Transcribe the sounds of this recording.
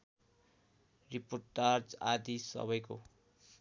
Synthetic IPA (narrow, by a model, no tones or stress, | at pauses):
riporʈːard͡zad̪isʌ̰βʌjko